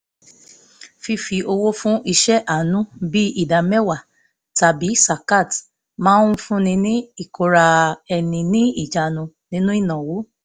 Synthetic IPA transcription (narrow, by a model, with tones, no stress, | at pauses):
fi˧fi˨˧o˧wo˦fũ˦ʔi˧ʃɛ˦ʔa˦˨nũ˦bi˦i˦˨da˨mɛ˦wa˨ | ta˨bi˨˦sa˨ka˦˨t | mãː˦ũ˦fũ˦nĩ˧nĩ˦i˦˨ko˨ɾa˧ɛ˧˨nĩ˧nĩ˦i˦˨d͡ʒa˨nũ˧ | nĩ˦nũ˦i˦˨nã˨wo˨˦